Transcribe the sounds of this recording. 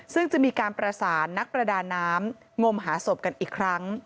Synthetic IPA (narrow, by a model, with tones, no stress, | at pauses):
sɯ˥˩ŋt͡ɕa˨˩miː˧kaː˧npɾa˧saː˩˦nːa˦˥k̚pɾa˧daː˧nːaː˦˥m | ŋo˧mɦaː˩˦so˨˩p̚ka˧nʔiː˨˩kʰɾa˦˥ŋ